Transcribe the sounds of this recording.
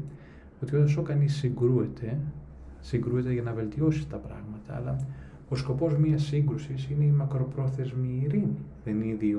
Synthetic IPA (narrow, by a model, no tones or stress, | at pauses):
o̞t̪iod̪oso̞kɐnisːiŋɡɾue̞t̪e̞ | siŋɡɾue̞t̪eʝɐnɐve̞lt̪io̞si̥t̪ɐpɾɐɣmɐt̪ɐ̰ːlɐ | o̞sko̞po̞zmiɐsːiŋɡɾusisine̞imɐkɾo̞pɾo̞θe̞zmiːɾiniðeniði